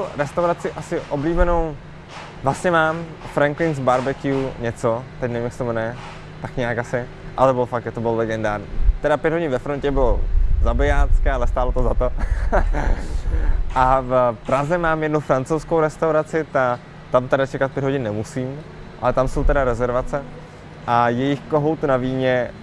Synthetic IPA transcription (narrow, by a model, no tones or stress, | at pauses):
soɾɛst̪awɾat͡sɪʔasɪʔobliːbɛno̞w | vlast̪ɲɛmaːm | fɾaŋklɪnzbaɾbɛkɪuɲɛt͡sot̪ɛcnɛmɪmɪsɪmnɛ | t̪akɲɛakasɪ | ʔalɛbɪlofak̚t̪jat̪obɪllɛɡɛndaːɾɲit̪ɛdapjɛd̪ɦo̞ɟɪnvɛfɾoncɛbɪlozabɪaːt͡skɛːalɛst̪aːlot̪ozat̪o | ʔafpɾazɛmaːmjɛdnufɾant͡sowskowɾɛst̪awɾat͡sɪt̪a | t̪amt̪ɛdat͡ʃɛkat̪̚pjɛd̪ɦoɟɪnnɛmusiːm | ʔa̰lɛt̪amsowt̪ɛdaɾɛzɛɾvat͡sɛ | ʔajɛjɪxkoɦowt̪unaviːɲɛ